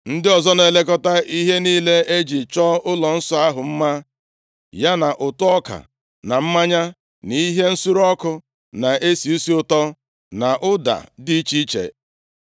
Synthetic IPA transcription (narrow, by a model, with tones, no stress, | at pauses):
n̩˦dɪ˦ɔ˨zɔ˦ne˨le˦k̬ɔ˦ta˦i˦ɦe˦niː˦le˦e˦d͡ʒi˨t͡ʃɔ˦ʊ˦lɔ˨n̩˦sɔ˦a˦ɦʊ˨m̩˦ma˦ | ja˦na˨ʔʊ˨tʊ˦ɔ˦ka̰˨ | na˨m̩˦ma˦ɲa˦ | ni˦ɦe˦n̩˦su˦ɾɔ˦kʊ˦ | na˨e˦si˨u˦si˦ʊ˨tɔ˦ | na˨ʔʊ˦da̰˨di˦t͡ʃi˦t͡ʃḛ˨